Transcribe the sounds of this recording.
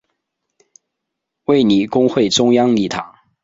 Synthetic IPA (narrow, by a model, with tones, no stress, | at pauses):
we˥˩ɪni˨˩˦kʊ˥ŋxwe˥˩ɪʈ͡ʂʊ˥ŋjɑ˥ŋli˥˩t̪ʰɑ̰˨˩˦ŋ